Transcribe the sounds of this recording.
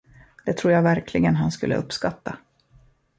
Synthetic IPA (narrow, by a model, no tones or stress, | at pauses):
d̪̥ɛt̪ʰɾuːɾjaːɡvæɾkʰlɪɡənɦanskɵ̰lːə̰ʔɵpskat̪ːa